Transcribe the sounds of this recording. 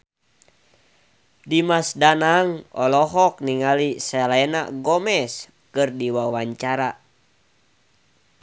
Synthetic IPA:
dimasdanaŋɔlɔɦɔk̚niŋalisɛlɛɛna̰ɡɔmɛs | kɨrdiwawaɲt͡ʃaɾa

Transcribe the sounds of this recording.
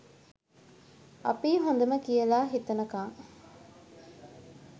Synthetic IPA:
ɐ̰piːɦon̆d̪ɐməkijɐlaːɦit̪ɐnɐkãːŋ

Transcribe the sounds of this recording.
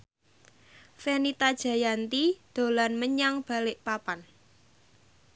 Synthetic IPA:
fenit̪ad̥ʒ̥a̤jant̪id̪̥o̤lanməɲaŋb̥a̤lɪʔpapan

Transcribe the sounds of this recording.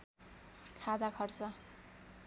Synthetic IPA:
kʰad͡zakʰʌrt͡sʌ

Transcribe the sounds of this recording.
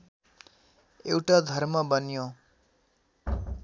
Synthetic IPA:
ewʈad̪ʱʌrmʌbʌnjo

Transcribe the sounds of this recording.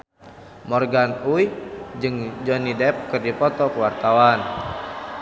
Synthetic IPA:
mɔrɡanujd͡ʒɨŋd͡ʒɔnidɛp̚kɨrdipɔt̪ɔkəwart̪awan

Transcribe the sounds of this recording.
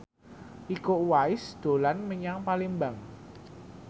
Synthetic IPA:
ʔikoʔwaɪsd̪̥o̤lanməɲaŋpalɪŋbaŋ

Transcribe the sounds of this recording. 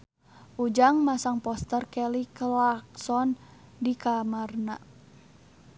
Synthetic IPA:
ʔud͡ʒaŋmasaŋpɔst̪ərkɛliklaksɔn | dikamarna

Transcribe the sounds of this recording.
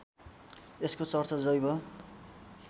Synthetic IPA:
eskot͡sʌrt͡sʌd͡zʌjbʌ

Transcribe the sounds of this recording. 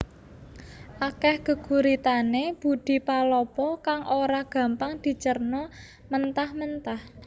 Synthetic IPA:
ʔakɛhɡ̥ə̤ɡ̥ṳɾit̪aneb̥ṳd̪̥i̤palɔpɔkaŋʔoɾaɡ̥ä̤mpaŋd̪̥i̤t͡ʃərnɔ | mənt̪ahmənt̪ah

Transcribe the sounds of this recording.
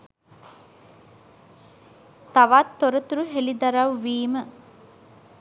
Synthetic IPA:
t̪ɐʋat̪ːoɾɐt̪uɾuɦelid̪ɐɾɐʋːiːmə

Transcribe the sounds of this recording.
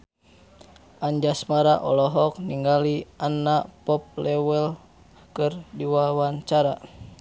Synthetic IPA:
aɲd͡ʒasmaɾaʔɔ̰lɔɦɔk̚niŋɡalianapɔp̚lɛwɛl | kɨrdiwawaɲt͡ʃaɾa

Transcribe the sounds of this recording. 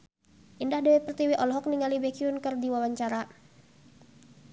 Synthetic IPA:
ʔindahdɛwɛpərt̪iwiʔɔlɦɔk̚niŋalibɛkiunkərdiwawaɲt͡ʃaɾa

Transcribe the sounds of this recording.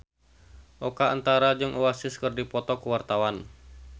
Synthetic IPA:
ʔɔkaant̪aɾad͡ʒɨŋʔuwasɪskərdipɔt̪ɔkuwart̪awan

